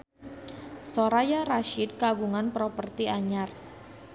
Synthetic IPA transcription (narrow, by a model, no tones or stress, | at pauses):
soɾajaɾaʃid̪̚kaɡuŋanpɾɔpərt̪iaɲar